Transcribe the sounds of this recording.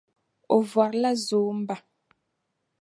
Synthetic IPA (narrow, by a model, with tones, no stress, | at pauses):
o˨vwa˨ɾla˦zoː˨˦m̩˦ba˨